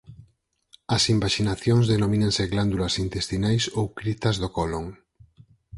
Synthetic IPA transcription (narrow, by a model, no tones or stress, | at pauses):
ɐsimbaʃinaθjoŋzðenomĩnẽŋseɣland̪ulɐsint̪est̪inajsowkɾit̪ɐzðokoloŋ